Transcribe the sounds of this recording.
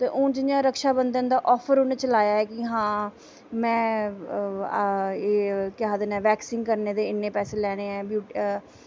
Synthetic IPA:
t̪eːʔʊnt͡ʃɪɲd͡ʒãːɾəkʃaːbənd̪ənd̪aːʔɔːpʰəɾʊnet͡ʃəlaːjaːɛːkɪɦãː | mɛ̃ː | eːkɪaːd̪eːnɛːʋɛːksɪːŋkəɾneːd̪eːɪnːeːpɛːseːlɛːɽ̃eːɛːbjuːʈ

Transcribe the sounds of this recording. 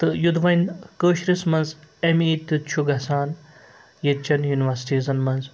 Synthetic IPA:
t̪ɨjud̪ʋɐjnkəːʃɾismɐnzemiːt̪ːut͡ʃʰuɡɐsaːn | jet͡ʃɐnjuːniʋɐɾsʈizɐnmɐnz

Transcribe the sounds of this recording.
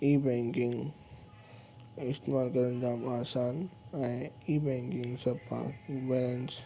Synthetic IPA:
iːbẽŋkɪ̃ŋɡ | ɪst̪eːmaːlkɐɾənd͡ʑaːmaːsaːnɛ̃iːbẽːŋkɪŋɡsɐbpã̰bɛlə̃ns

